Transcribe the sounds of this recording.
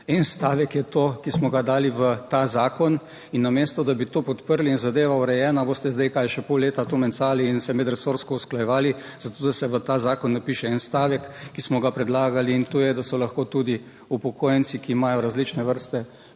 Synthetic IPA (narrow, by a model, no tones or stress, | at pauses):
ɛnst̪aːʋɛkjɛt̪okismɔɡad̪aːliʋət̪azaːkɔn | inːameːst̪ɔd̪abit̪oːpɔt̪pəɾliinzad̪eːʋauɾɛjɛːnaboːst̪ɛzd̪ɛjkajʃɛpolːeːt̪at̪omɛnsaːliːnsɛmɛd̪ɾɛsoːɾskɔusklajɛʋaːli | zat̪oːd̪asɛʋət̪aːzaːkɔnːapiːʃɛɛnst̪aːʋɛkːismɔɡapɾɛd̪laːɡaliːnt̪ojɛd̪asɔlɐxkoːt̪ud̪i | upɔkʰoːjɛnsikiːmaːjɔɾazlit͡ʃnɛʋəɾst̪ɛ